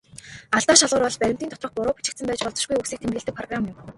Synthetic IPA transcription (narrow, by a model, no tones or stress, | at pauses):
aɬt̪aːʃaɮʁʊːrpɔɮpæɾʲɪ̆m̥t̪iːnʰʊ̥t̪rɞ̆χpʊɾʊːpi̥t͡ɕɪ̆kt̪sɘ̆mpæːt͡ɕpɔɮt͡sɞ̆ʃɡujuksiːkt̪ʰemɘ̆ɬt̪ɘ̆k̚pʰrɔɣramjʊm